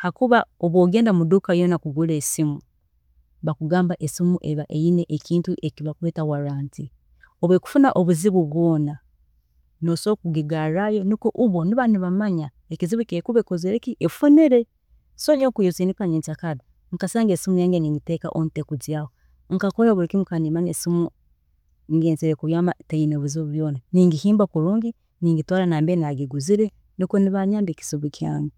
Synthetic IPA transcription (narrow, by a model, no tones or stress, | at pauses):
hakuβaoβwoːɡe̞ːndamudukajonakuɡulesimu | βakuɡaːmbaʔesimuʔeβaʔejineʔːkiːntuʔe̞kiβakuleːtawaɾaːnti | oβweku̥funaʔoβuziβuβwo̞ːna | noso̞ːkuɡiɡaɾajo̞nikoʔuβo̞niβaniβamaɲa | ekiziβukekuβekozeɾekiʔefoneɾe̞ | soɲokujozinikaɲeːnt͡sakadi | ŋkasaːŋɡesimujaːŋɡeniːŋɡiteka̰ʔontekuziaho | ŋ̩kakolaβuɾikimukanimaɲesimu | ŋɡeːnziɾekuβjaːmatejinoβuzoβuβjoːnaniːŋɡihiːmbakuɾuːŋɡi | niːŋɡitwaːlanaːmbenaɡiɡuziɾe | nikoniβaɲaːmbeki̥z̥iβukʰja̰ːŋɡe